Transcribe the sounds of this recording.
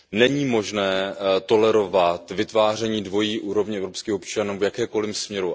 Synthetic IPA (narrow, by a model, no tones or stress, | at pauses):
nɛɲiːmo̞ʒnɛːt̪o̞lɛɾo̞vat̪vɪt̪vaːr̝ɛɲiːdvo̞jiːʔuːɾo̞vɲɛɛvɾopskiːxopt͡ʃanuːvjakɛːko̞lɪmsmɲɛɾu